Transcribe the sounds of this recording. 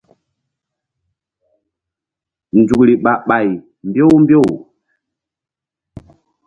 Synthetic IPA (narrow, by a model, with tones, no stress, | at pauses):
n̩˨d͡ʒu˨kli˨ɓa˨ɓa˨j | m˨bjo˦wmbjo˦˨w